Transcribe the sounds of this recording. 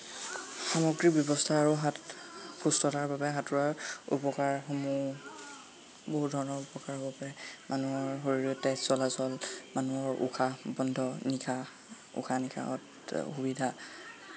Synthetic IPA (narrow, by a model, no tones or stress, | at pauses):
xamɔɡɹibjɔbɔstʰaːɹuɦatkustɔtaɹbabɛɦatuɹaɹṵpɔkaɹɦomu | boɦut̚dʱɔɹnɔupɔkaɹɦobɔpaɹɛmanuɔɹɦoɹiɹɔtːɛsɔlasɔlmanuɔɹṵxʰabɔndʱɔnikʰa | ṵxʰanikʰa̰ɔ̰t | xubidʱa